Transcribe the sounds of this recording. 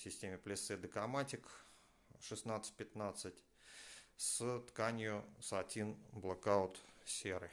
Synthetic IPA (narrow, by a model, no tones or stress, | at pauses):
sʲɪsʲtʲemʲɪplʲɪsɨd̪əkɐmatʲɪk | ʂɨsnat̪sə̥tʲpʲɪt̪nat̪sɨtʲ | st̪kanʲjʊsɐtʲinblˠəkaʊt̪sʲeɾɨ